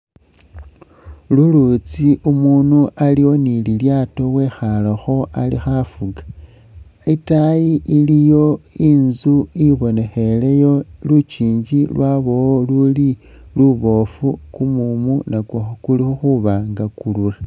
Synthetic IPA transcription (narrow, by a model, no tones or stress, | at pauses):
lulut͡siʔumunuʔaliwo̞nililjato̞we̞xaloxo̞ʔalḭxafuɡḁ | itajiʔilijo̞iːnzuiβone̞xe̞le̞jo̞lut͡ʃiːɲd͡ʒilwaβo̞woluli | luβo̞fukumumunakwoxokulixuxuβaːŋɡakulula